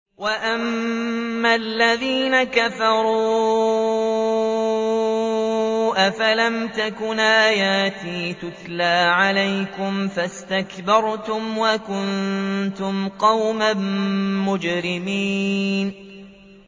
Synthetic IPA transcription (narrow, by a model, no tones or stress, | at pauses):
waʔamː | alːaðiːnakafɑɾˤuː | ʔafalamt̪akʊnʔaːjaːt̪iːt̪ʊt̪laːʕalajkʊmfast̪akbɑɾˤt̪ʊmwakʊnt̪ʊmqɑwmamːʊd͡ʒɾɪmiːn